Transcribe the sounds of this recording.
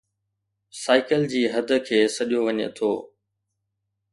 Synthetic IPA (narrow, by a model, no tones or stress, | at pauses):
saːɪkəld͡ʑiːɦɐd̪ʱə̆kʰeːsɐɗijoʋɐɲḛt̪ʰoː